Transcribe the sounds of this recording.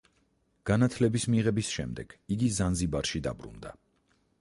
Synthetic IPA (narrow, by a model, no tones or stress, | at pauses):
ɡ̥anat̪ʰlɛbismiʁɛbisʃɛ̰md̪ɛɡ̥iɡizanzibaɾʃid̪a̰bɾṵnd̪a̰